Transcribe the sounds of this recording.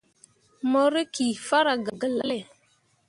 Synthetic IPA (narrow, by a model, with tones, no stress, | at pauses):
mo˦ɾe˦ki˨fa˦ɾa˨ɡa˨ɡə˨la˦le˨